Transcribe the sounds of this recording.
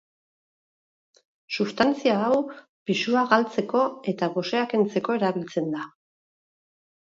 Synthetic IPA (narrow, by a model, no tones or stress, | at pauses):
sust̪ant͡siaːw | pisuaɣalt͡se̞ko̞e̞t̪aɣo̞se̞ake̞nt͡se̞ko̞e̞ɾaβilt͡se̞nd̪a